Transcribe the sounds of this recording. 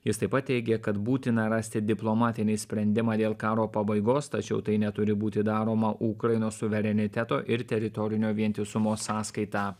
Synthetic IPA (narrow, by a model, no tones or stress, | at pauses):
jɪst̪ɐɪpɐt̪̚ʲtʲɛɪɡʲɛkɐt̪buːt̪ʲɪnɐɾɑsʲt̪ʲɪd̪ʲɪplˠoːmɑːt̪ʲɪnʲɛɪsʲpʲɾʲɛnʲd̪ʲɪmɑːd̪ʲeːlˠkɑːɾoːpɐbɐɪɡoːst̪ɐt͡ʃʲɛʊt̪ɐɪnʲɛt̪ʊɾʲɪbuːt̪ʲɪd̪ɑːɾoːmɐʔukɾɐɪnoːssʊʋʲɛɾʲɛnʲɪt̪ʲɛt̪o̰ːʔɪɾt̪ʲɛɾʲɪt̪ɔɾʲɪnʲoːʋʲiɛnʲt̪ʲɪsʊmoːsɑːskɐɪt̪ɑː